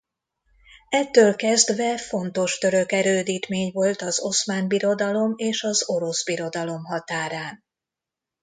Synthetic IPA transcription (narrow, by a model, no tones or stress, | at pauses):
ɛt̪ːøːlkɛzd̪ʋɛfo̞n̪t̪o̞ʃt̪ø̞ɾø̞kɛɾøːd̪iːt̪meːɲvo̞lt̪ɒzo̞smaːnbiɾo̞d̪ɒlo̞meːʃɒzo̞ɾo̞zbiɾo̞d̪ɒlo̞mɦɒt̪aːɾaːn